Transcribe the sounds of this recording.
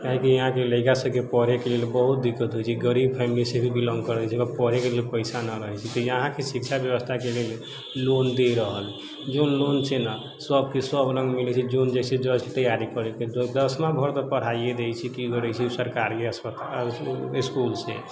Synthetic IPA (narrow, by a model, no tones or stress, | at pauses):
kaɦĩkiəɦãkeləɪkasəbkepəɾekelelbəɦut̪̚d̪ikːət̪ɦojt͡ʃʰiɡəɾib̚pʰɛmilisebʱibʱilɔ̃ŋɡkəɾd̪ɛt͡ʃʰɛkɔpəɾ̤ekelelpəɪsanəɾəɦɛt͡ʃʰɛt̪ɔjəɦãkesik̚t͡ʃʰabjəbəst̪ʰakelel | lond̪eɾəɦəl | d͡ʒonlont͡ʃʰena | səb̚kesəbɾə̃ŋɡmilɛt͡ʃʰid͡ʒond͡ʒasɛd͡ʒɔt͡ʃʰi̥t̪əjaɾikəɾeked̪d̪əsmãbʱəɾt̪ɔpəɽ̤aied̪ejt͡ʃʰikiɡəɾɛt͡ʃʰisəɾkaɾkeəspət̪aiskulsḛ